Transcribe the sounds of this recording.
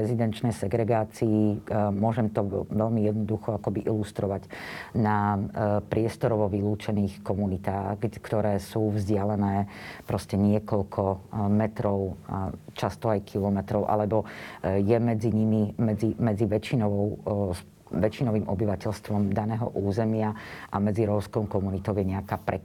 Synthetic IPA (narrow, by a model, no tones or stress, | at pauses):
ɛzid̪ɛnt͡ʃnɛjsɛɡɾɛɡaːt͡siːmʊɔʒɛmt̪ɔʋɛʎmijɛd̪nɔd̪uxɔakɔbiʔilust̪ɾɔʋaɟna | pɾɪɛst̪ɔɾɔʋɔʋiluːt͡ʃɛniːxkɔmunit̪aːɡkt̪ɔɾɛːsuːvzɟɪalɛnɛːpɾɔscɛɲɪɛkɔlkʰɔmɛt̪ɾɔʊt͡ʃast̪ɔajkʰilɔmɛt̪ɾɔʊʔa̰lɛbɔjɛmɛd͡ziɲimimɛd͡zimɛd͡ziʋɛt͡ʃinɔʋɔʊs | ʋɛt͡ʃinɔʋiːmʔɔbiʋacɛlst̪ʋɔmd̪anɛːɦɔ̰ʔuːzɛmɪaʔamɛd͡ziɾɔʊskɔʊkɔmunit̪ɔʊjɛɲɛakaːpɾɛ